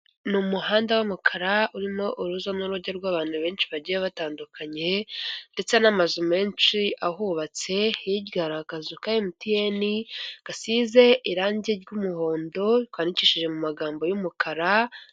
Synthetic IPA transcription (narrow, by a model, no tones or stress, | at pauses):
numuhaːndawamukʰaɾauɾimo̞ʔuɾuzanuɾuɾɟeɾɡwaːβaːn̥huβe̞ːnʃiβaɟijeβataːndukʰaɲe̞nde̞t͡se̞namazume̞ːnʃiʔaɦuβat͡se̞hiɟɡaɾakazukajemutijeniɡ̥asiːze̞ʔiɾaːɲɟeɾɟumuho̞ːndo̞itwaːniciːʃiʒe̞mumaɡaːmbo̞jumukʰaɾa